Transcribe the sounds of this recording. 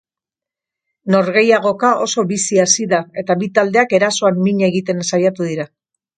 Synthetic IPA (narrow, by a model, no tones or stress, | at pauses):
no̞ɾɣe̞jaɣ̞o̞kaʔo̞so̞βisiasiðae̞t̪aβit̪ald̪eake̞ɾaso̞amːiɲeɣit̪e̞nsajat̪uðiɾa